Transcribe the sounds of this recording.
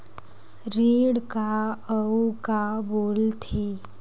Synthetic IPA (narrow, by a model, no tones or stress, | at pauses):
ɾiɽkaəukabolt̪ʰe